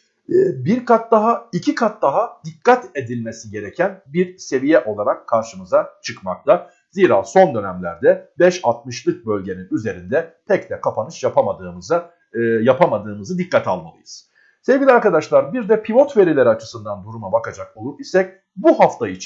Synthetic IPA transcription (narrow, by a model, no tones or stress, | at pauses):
ɛːbiɾkat̪̚d̪aɦaicʰikʰat̪̚d̪aɦad̪ikʰːat̪e̞d̪ilʲme̞siɟe̞ɾecʰænbiɾse̞vijɛʔo̞lˠaɾakʰːaɾʃɯmɯzat͡ʃʰɯkmaklˠa | ziːɾa̰ːso̞nd̪ø̞nɛæmlʲæɾd̪ɛbɛʃalˠt̪̚mɯʃlˠɯk̚bø̞lʲɟe̞ninyze̞ɾind̪ɛt̪ʰɛcd̪ɛkʰapʰanɯt͡ʃjapʰamad̪ɯːmɯza | japʰamad̪ɯːmɯzɯd̪ikːat̪ʰalˠma̰lˠɯ̰jɯz̥ | se̞vɡɟʲilʲiaɾkad̪aʃlˠaɾbiɾd̪ɛpʰilo̞t̪ve̞ɾilʲeɾiat͡ʃʰɯ̥sɯnd̪and̪uɾumabakad͡ʒakolˠup̚isɛc̚ | buɦaft̪ʰait͡ʃʰ